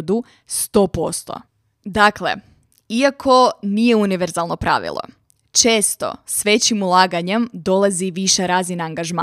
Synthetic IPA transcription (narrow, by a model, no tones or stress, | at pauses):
d̪u | st̪o̞post̪o̰ | d̪akle̞̰ | iakʰo̞nije̞uniʋeɾzalˠno̞pɾa̰ʋḭlˠʔo̰ | t͡ʃeːst̪o̞̰sʋe̞t͡ɕimulˠaːɡaɲe̞md̪o̞lˠaziʋiʃeɾaːzinaːŋɡaʒma